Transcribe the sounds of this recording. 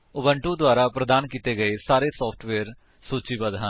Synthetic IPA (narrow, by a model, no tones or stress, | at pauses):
ʊbəɳʈũːd̪waːɾaːpɾəd̪aːnkiːt̪eːɡəeːsaːɾeːsɔːpʰʈʰʋeːɾ | soːt͡ʃiːbəd̪ɦən